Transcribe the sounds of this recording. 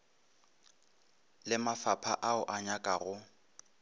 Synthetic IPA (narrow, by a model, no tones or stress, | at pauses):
lɪmafapʰaʔaʊʔaɲakʼaɣʊ